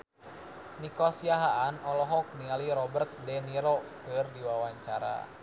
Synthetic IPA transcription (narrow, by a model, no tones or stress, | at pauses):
nikɔsiaɦaʔanɔlɔɦɔk̚nialiɾɔbərt̪̚dɛniɾɔkɨrdiwawaɲt͡ʃaɾa̰